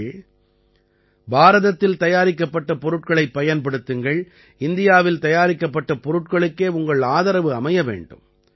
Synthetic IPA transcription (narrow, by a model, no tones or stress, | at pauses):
baːɾɐðɐt̪ːɪlt̪ɐjaːɾɪkːɐpːɐʈːɐpɔɾɯʈ̚kɐɭɐɪpːɐjɐnpɐɽɯt̪ːɯŋɡɐɭ | ɪnd̪ɪjaːʋɪlt̪ɐjaːɾɪkːɐpːɐʈːɐpɔɾɯʈkɐɭɯkːeːʊŋɡɐɭaːðɐɾɐʋɯɐmɐjɐʋḛːɳɖɯ̰m